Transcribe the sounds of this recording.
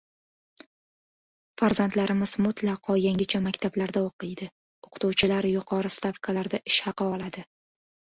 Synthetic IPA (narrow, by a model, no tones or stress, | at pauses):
faɾzant̪laɾɪmɪz̥mʊt̪lɑqʰɒjaŋʲɪt͡ʃʰamakʲt̪ʰablaɾd̪aoqɨjd̪ɪ | oqʰɨ̥t̪uwt͡ʃʰɪlaɾjʊqʰɒɾɨst̪afkʰalaɾd̪aʔɪʃhɑqɨɒlˠad̪ɪ